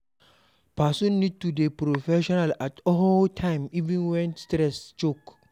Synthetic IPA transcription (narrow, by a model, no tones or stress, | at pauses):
pasɔ̃nːid̚tudepɾofɛʃɔnalatɔɦotʰãɪ̃mivĩnwɛ̃nstɾɛst͡ʃok